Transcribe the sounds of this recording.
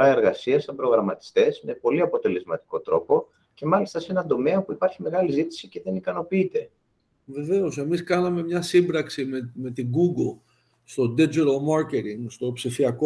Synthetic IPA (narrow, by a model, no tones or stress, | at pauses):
ɐe̞ɾɣɐsiɐst̪ɐbɾo̞ɣɾɐmɐt̪i̥st̪e̞sme̞po̞liɐpo̞t̪e̞le̞zmɐt̪i̥ko̞t̪ɾo̞po̞ | ce̞mɐlist̪ɐseenɐnd̪o̞me̞opuipɐɾçime̞ɣɐlizit̪i̥sice̞ðe̞nikɐno̞piit̪e̞ | ve̞ve̞o̞se̞miskɐnɐme̞mɲɐsimbɾɐksimeme̞t̪iɡuɡl | st̪o̞d̪ed͡ʒeɾomɐɾce̞t̪iŋɡst̪o̞psifiɐko